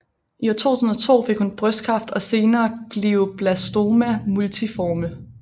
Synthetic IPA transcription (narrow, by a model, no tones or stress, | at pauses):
ʔiɒt͡sʰo̝̰ːt͡sʰuːsn̩ɒ̽t͡sʰo̝̰ːfe̝ɡ̥hunb̥ʁœsd̥̚kʰʁɑ̈fd̥ɒ̽se̝ːnɐːɡ̥liʊb̥læsd̥o̝mæmult͡sʰifɒːmə